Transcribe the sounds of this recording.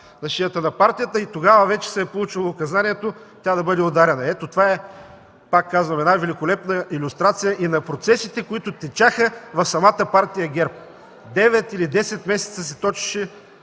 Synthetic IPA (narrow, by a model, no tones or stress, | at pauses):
nɐʃijət̪ənɐpaɾt̪ijət̪əit̪oɡavəvɛt͡ʃɛ̥sɛːpolˠut͡ʃilˠɐːkɐzanʲiɛt̪o | t̪ʲad̪ɐbɤd̪ɛod̪aɾɛnɐɛt̪ot̪ovaɛ | pakːazvɐmɛd̪avɛlikolɛpnəilʲʊst̪ɾat̪sijəʔinɐpɾot̪sɛsit̪ɛkoit̪ʊt̪ɛt͡ʃaxəvɐfsɐmat̪əpaɾt̪ijəɡʲɛɾp̚ | d̪ɛvɛt̪ilid̪ɛsɛt̪mɛsɛ̥t̪səsɛt̪ɔt͡ʃi̥ʃɛ